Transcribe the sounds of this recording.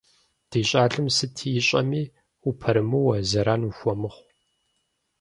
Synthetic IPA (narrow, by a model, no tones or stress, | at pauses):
d̥iːɕʼaːɬɨmsɨtʰiːjɪɕʼɐ̰miː | upʰɐɾɨmɨwɐzɐɾaːnuxʷɔmɨχʷ